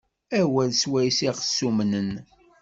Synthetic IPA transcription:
æwælswæjsiʁəsːumnən

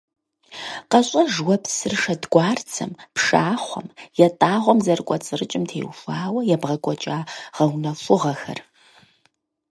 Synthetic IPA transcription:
qɐɕʼɐʒwɐpsɨrʂɐdɡʷɑːrt͡sʰɐ̰mpʂaːχʷɔ̰mjɛtʼaːʁʷɔmzɐrkʷʼɔt͡sʼɨrɨt͡ʃʼɪmtʰḛːwfaːwɐjɛbʁɐkʷʼɔt͡ʃʼaːʁ̥ɐwnɐfʊʁɐxɐ̰r

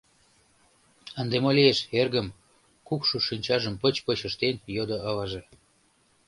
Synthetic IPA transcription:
ənd̪emolʲieʃerɣəm | kukʃoʃinʲt͡ɕɑʒəmpə̆t͡ɕpət͡ɕə̆ʃt̪enjod̪oɑvɑʒe

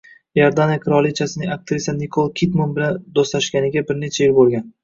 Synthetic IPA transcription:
jaɾd̪anjakʲʰɪɾɒlˠit͡ʃʰasɪnɪŋak̚t̪ʰɾisanɪkʰolˠkʲʰit̪munbɪland̪oslaʃkʲanɪɡʲabɪɾne̞t͡ʃʰajɪlbolˠɡʲan

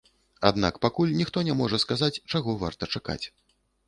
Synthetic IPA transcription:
a̰d̪na̰kpakulʲnʲixt̪ɔnʲɛmɔʐɐskazat͡sʲt͡ʂaɣɔva̰rt̪ɐt͡ʂaka̰t͡sʲ

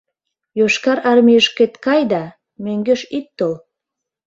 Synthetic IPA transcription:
joʃkɑɾɑrmijəʃket̪kɑjd̪ɑ | møŋɡøʃit̪ːol

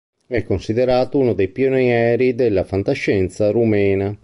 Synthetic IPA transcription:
ɛkːonsid̪eɾaːt̪ounod̪ejpionɛːɾid̪elːafant̪aʃːɛnt̪saɾumɛːna

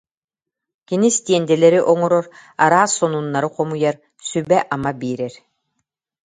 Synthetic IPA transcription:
kinist̪iɛnd̪ɛlɛɾiʔɔŋɔɾɔɾaɾaːsːɔnunːaɾɯqɔmujaɾ | sybɛʔamabiːɾɛɾ

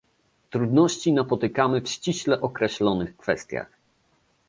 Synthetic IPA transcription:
t̪ɾud̪nɔɕt͡ɕinapɔt̪ɘkamɘfɕt͡ɕiɕlɛʔɔkɾɛɕlɔnɘxkfɛst̪ʲja̰x

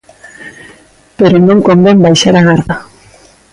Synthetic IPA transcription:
peɾonõŋkombembajʃaɾaɣaɾða

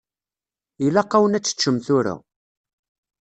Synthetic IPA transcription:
ilæqːawənæt͡sːə̥t͡ʃːəmθʊɾa̰

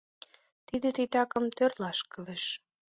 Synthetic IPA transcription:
t̪id̪et̪it̪ɑkə̆mt̪ørlɑʃkə̆leʃ

